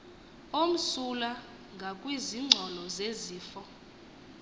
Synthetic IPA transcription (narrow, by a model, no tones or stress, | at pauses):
om̩sula | ŋɡʱakʼwiziŋ͡ǀʱɔlɔzeziːfɔ